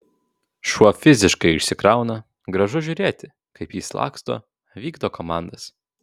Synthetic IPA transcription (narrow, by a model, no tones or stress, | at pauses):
ʃuɔfʲɪzʲɪʃkɐɪɪʃʲsʲɪkɾɑˑʊnɐ | ɡɾɐʒʊʒʲʊːɾʲeːt̪ʲɪ | kɐɪpjiːslˠɑ̰ːkst̪o̰ː | ʋʲiːɡd̪oːkomɑˑnd̪ɐs